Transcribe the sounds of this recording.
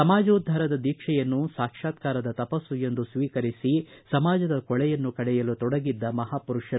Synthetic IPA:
ɐmaːd͡ʒɐːd̪ʱːɐɾɐd̪ɐd̪iːkʂɛjɐnːusaːkʂaːt̪kaːɾɐd̪ɐt̪ɐpɐsuje̞nd̪usʋiːkɐɾisisɐmaːd͡ʒɐd̪ɐkɔɭɛjɐnːukɐɭɛjɐlut̪ɔɽɐɡid̪ːɐmɐɦaːpuɾuʂɐɾ

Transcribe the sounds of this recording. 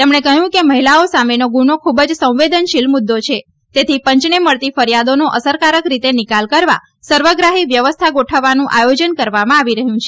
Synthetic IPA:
t̪emɳekəɦjũkeməɦilaosamenoɡunokʰubəd͡ʒsə̃w̃ʋed̪ənʃilmud̪ːot͡ʃʰe | t̪et̪ʰipəɲt͡ʃneməɭt̪ifəɾijad̪onoʔəsəɾkaɾəkɾit̪enikalkəɾʋa̰ | səɾʋəɡɾaɦiʋjəʋəst̪ʰaɡoʈʰəʋːanũʔajod͡ʒənkəɾʋamãaʋiɾəɦjũt͡ʃʰe̥

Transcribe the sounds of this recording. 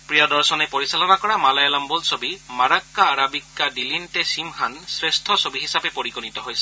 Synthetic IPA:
pɹijɔdɔɹsɔnepoɹisalɔnakɔɹamalajalambɔlsobimaɹakːaːɹabikːadilintesimhansɹestʰɔsobiɦisapepoɹikɔnitɔɦojsɛ̥

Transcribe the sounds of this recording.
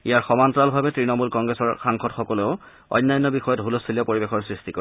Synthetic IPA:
ijaɹxɔmantɹalbʱabɛtɹinɔmulkɔŋɡɹɛsɔɹxaŋxʰɔtxɔkɔleʊ | ɔ̰jnːajnːɔbixɔjɔtbʱulɔsʰilɛpoɹibexɔɹsɹistikɔ

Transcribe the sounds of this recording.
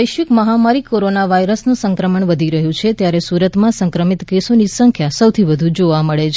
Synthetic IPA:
əjʃʋikməɦamaɾikoɾonaʋaiɾəsnũsəŋkɾəməɳʋəd̪ʱiɾəɦũt͡ʃʰet̪jaɾesuɾət̪mãsəŋkɾəmit̪kesonisəŋkʰjasəwt̪ʰiʋəd̪ʱũd͡ʒoʋaməɭet͡ʃʰ

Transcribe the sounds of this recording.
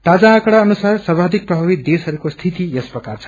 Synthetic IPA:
t̪ad͡zãːkɽaʌnusarsʌbʱad̪ʱik̚prʌbʱabid̪esɦʌɾukost̪ʰit̪ijʌsprʌkart͡sʰʌ̥

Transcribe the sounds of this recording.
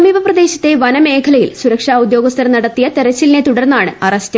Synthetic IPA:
ɐmiːbɐprɐd̪e̞ːɕɐt̪ːe̞ʋɐnɐme̞ːkʰɐlɐjḭlsuɾɐkʂaːud̪jo̞ːɡɐst̪ʰɐɾɐnɐɽɐt̪ːijɐt̪e̞ɾɐt͡ɕːilnet̪uɽɐrnːaːɳɨɐrɐstɐ

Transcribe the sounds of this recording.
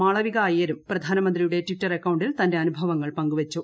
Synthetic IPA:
aːɭɐʋiɣɐːjɐɾumprɐd̪ʱaːnɐmɐnd̪rijuɽe̞ʈʋiʈːɐrekːɐwɳɖilt̪ɐnde̞ɐnubʱɐʋɐŋːɐɭpɐŋɡuʋɐt͡ɕːu

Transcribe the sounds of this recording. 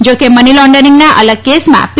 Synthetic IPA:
d͡ʒokemənilɔ̃ɳɖəniŋɡnaʔələɡ̚kesmã̰p

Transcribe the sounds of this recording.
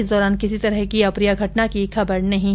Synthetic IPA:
sd̪ɔːɾaːnkɪsit̪ɐɾəɦkiɐpɾijaɡʱɐʈnakikʰɐbəɽnɐɦĩ

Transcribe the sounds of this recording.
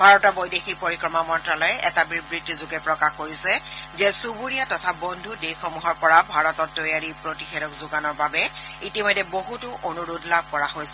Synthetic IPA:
bʱaɹɔtɔbojdexipoɹikɹɔmamɔntɹalɔjɛʔɛtabibɹidʱizʊɡɛpɹɔkaxkoɹisɛzɛsubuɹijatɔtʰabɔndʱudejxɔmuɦɔɹpɔɹabʱaɹɔtɔtːɔjaɹipɹotixɛɾɔkzʊɡanɔɹbabɛitimɔjdːɛboɦutʊʔonuɹudlab̚ʱkɔɹaɦojsɛ

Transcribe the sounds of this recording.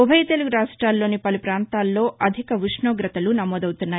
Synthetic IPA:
ubʱɐjt̪e̞luɡuɾaːʂʈɾaːlːo̞ːnipɐlupɾaːnt̪aːlːo̞ːʔɐd̪ʱikɐʋiʂɳoːɡɾɐt̪ɐlunɐmɔːd̪ɐwut̪unːaː

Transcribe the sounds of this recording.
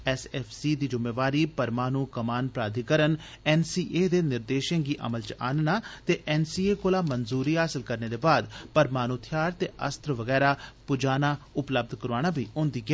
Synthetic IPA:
ɛːsɛːpʰsiːd̪iːd͡ʒʊmːeːʋaːɾiːpəɾmaːnuːkəmaːnpɾaːd̪ʱiːkəɾən | ɛːnsiːʔeːd̪eːnɪɾd̪eːʃə̃ːɡiːʔə̰məlt͡ʃa̰ːnnaːt̪eːʔɛːnsiːeːkoːlaːmənzuːɾiːɦaːsɪlkəɾneːd̪eːbaːd̪pəɾmaːnuːt̪ʰɪjaːɾt̪eːʔə̰st̪ɾəʋəɡɛːɾaːpʊd͡ʒaːnaːʊpləb̚d̪kəɾaːñaːbiːõːnd̪iːɡɛː

